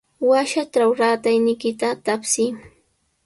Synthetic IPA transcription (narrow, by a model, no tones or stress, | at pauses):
waʃaʈ͡ʂawɾaːt̪ajnɪjkɪt̪at̪apsɪ